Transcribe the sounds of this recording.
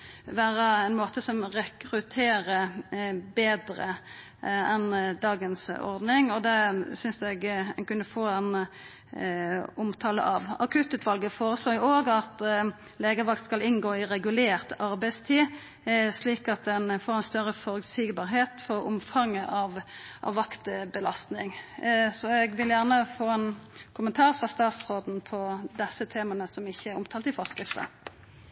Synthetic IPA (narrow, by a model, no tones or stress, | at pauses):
ʋæːɾəɛɪnmoːt̪əsɔmʁɛkɾʉt̪ʰeːɾə | beːd̪ɾə̰ | ɛnd̪ɑːɡənsɔ̰ɾd̪nɪŋɔd̪ɛsʏnsɛɡɛ̰nkʉnːəfoːɛn | ʊmt̪ʰɑːlə̰ʔɑʋɑ̰kʰʉt̪ːʉːt̪ʰʋɑlɡəfoːɾəsloːjʊoːɡɑt̪ | leːɡəʋɑk̚t̪skɑlɪnɡoːɪʁɛɡʉleːʁt̪ɑɾbæɪst̪ʰiː | sliːkɑt̪̚d̪ɛnfoːɾɛnst̪œɾəfɔʁʉɡsɪːɡbɑːʁɦeːt̪fɔʁʊmfɑŋːəʔɑʋʔɑ̰ʋːɑkt̪bəlɑst̪nɪŋsɔɛɡʋɪljæʁnəfoːɛːnkʰʊmənt̪ʰɑːʁfʁɑst̪ɑːt̪sʁoːd̪n̩pʰɔd̪ɛsət̪ʰeːmɑnəsɔmɪçːəæʁʊmt̪ʰɑːlt̪ɪfɑskʁɪft̪ə̰